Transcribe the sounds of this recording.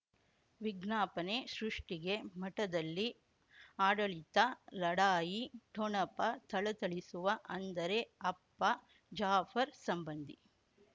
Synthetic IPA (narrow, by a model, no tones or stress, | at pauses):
ʋiɡɳaːpɐneʃɾuʂʈiɡe̞mɐʈɐd̪ɐlːi | aːɽɐɭit̪ɐlɐɽaːjiʈɔɳɐpɐt̪ɐɭɐt̪ɐɭisuʋɐʔɐnd̪ɐɾe̞ɐpːɐ | d͡ʒaːfɐɾsɐmbɐnd̪ʱi